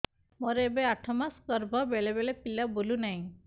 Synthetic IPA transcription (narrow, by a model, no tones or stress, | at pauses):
mɔɾeebeaʈʰɔmaskɔɾbʱɔbeɭebelepilabolunaɦĩ